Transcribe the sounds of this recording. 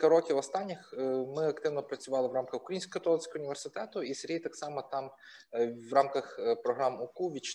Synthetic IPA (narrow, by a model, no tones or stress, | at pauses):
kɐɾɔkʲiwɔst̪ɑnʲːɪxmɪɐkt̪ɪwnɔpɾɐt͡sʲʊʋɑlˠɪʋɾɑmkɐxʊkɾɐjinsʲkɔɦɔt̪ɔlˠɪsʲkɔɦɔʊnʲiʋʲersɪt̪ɛt̪ʊiseɾʲit̪ɑksɑmɐt̪ɑm | ʋrɑmkɐxpɾɔɦɾɑmʊkuʋʲit͡ʃ